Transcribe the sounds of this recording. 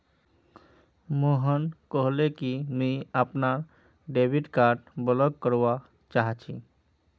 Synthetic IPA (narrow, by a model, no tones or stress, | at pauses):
moɦənkəɦlekimiəpnaɾ | ɖebʱiʈkaɾʈbələɡ̚kəɾʋa | t͡ʃaɦt͡ʃʰḭ